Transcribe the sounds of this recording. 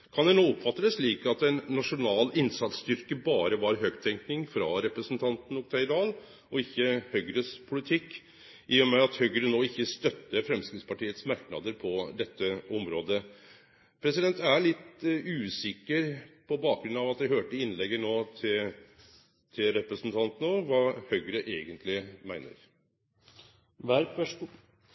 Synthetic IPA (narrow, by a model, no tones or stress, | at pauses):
kʰɑnd̪ɛnoːɔpfɑt̪ːəd̪əsʂliːkɑt̪ɛnːɑʂʊnɑːlɪnsɑt̪st̪ʏɾkəbɑːɾəʋɑɾɦøːɡt̪ʰɛŋknɪŋfɾɑɾɛpɾəsənt̪ʰɑnt̪n̩ɔkt̪ʰɛɪd̪ɑːl | ʔɔɪçːəhœɡɾəspʰʊlɪt̪ʰɪkː | ɪːɔmæɑt̪hœɡəɾənoːɪçːəst̪œt̪ːəfɾɛmskɾɪspɑʈiːət̪smɑɾknɑ̰d̪əɾpʰɔd̪ɛt̪ːəɔmɾoːd̪ə | pʰɾɛsɪd̪ɛnt̪æɭɪt̪ʉːsɪkːəɾpʰɔbɑːk̚ɡɾʉnɑʋɑt̪̚d̪æɪɦøːʈəɪnlɛɡːənoːt̪ʰɪ | t̪ʰɪlɾɛpɾəsn̩t̪ʰɑnt̪nɔʋɑːhœʏɡəɾəʔeːɡənt̪ʰlɪmæɪnə̰ɾ | ʋæɾp